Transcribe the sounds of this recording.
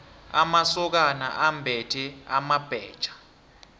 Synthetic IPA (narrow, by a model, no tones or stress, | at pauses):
amasɔk̬ana̰ʔambʱɛtʰɛamab̥ʱɛːd̥t͡ʃʼḁ